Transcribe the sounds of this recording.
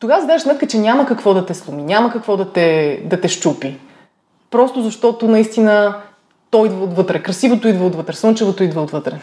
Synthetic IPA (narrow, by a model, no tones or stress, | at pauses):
t̪oɡasd̪aəʃsmɛt̪̚kət͡ʃɛnʲaməkɐkvɔd̪ɐt̪ɛslˠuminʲaməkɐkvɔd̪ɐt̪ɛd̪ɐt̪ɛʃt͡ʃupi | pɾɔst̪ʊzɐʃt̪ɔt̪ʊnɐist̪inə | t̪ɔid̪vəot̪vɤt̪ɾɛkɾɐsivot̪ʊid̪vəot̪vɤt̪ɾɛsˠɤnt͡ʃɛvot̪ʊid̪vəot̪vɤt̪ɾɛ